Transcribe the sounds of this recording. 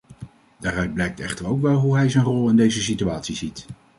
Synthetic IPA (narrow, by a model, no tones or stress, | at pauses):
daːrœɥd̚blɛjk̚tɛχtəɹowkʋɛlˠɦuɦɛjzɛjnrɔlˠɪndejzəs̬ityaːtsizit